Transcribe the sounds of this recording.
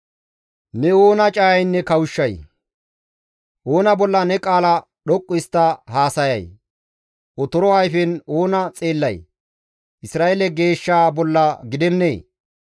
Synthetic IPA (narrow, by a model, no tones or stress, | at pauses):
nɛo̞ːnɐt͡ʃʼaːɐjnːɛkɐwʊʃːɐj | ʔoːnɐbɔlːɐnɛkʼaːlɐ | ɗɔkʼːʊɪst̪ːɐhaːsɐjɐ̰j | ʔɔt̪ɔɾɔɐjfɛno̞ːnɐt͡sʼeːlːɐj | ɪsɾaːʔelɛɡe̞ːʃːaːbɔlːɐɡɪd̪ɛnːeː